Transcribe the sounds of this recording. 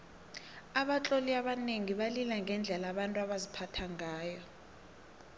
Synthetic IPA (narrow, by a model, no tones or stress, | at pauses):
aɓat͡ɬʼoliaɓaneŋiɓalilaŋɡʱɛnd͡ɮʱɛlaɓantʼuaɓazipʰatʰaŋʱaːjɔ